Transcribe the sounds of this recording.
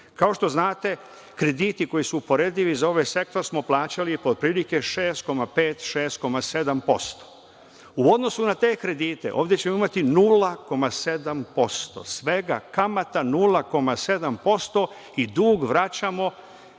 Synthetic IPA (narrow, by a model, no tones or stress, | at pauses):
kao̞ʃt̪o̞znaːt̪e̞ | kɾe̞d̪iːt̪iko̞jisuːpo̞ɾe̞d̪iʋizao̞ʋajse̞kt̪oɾsmo̞plˠaːt͡ɕalipod̪̚pɾiːlike̞ʃe̞ːst̪̚ko̞mape̞ːt̪ʃeːst̪̚ko̞mase̞d̪ampo̞st̪o̥ | uo̞d̪no̞sunat̪e̞ːkɾe̞d̪iːt̪e̞̰ʔo̞̰ːʋd̪jet͡ɕe̞moimat̪inuːlako̞mase̞d̪ampo̞st̪o̰sʋe̞ɡa̰kamat̪anuːlako̞mase̞d̪ampo̞st̪o̞ | id̪uːɡʋɾat͡ɕamo̞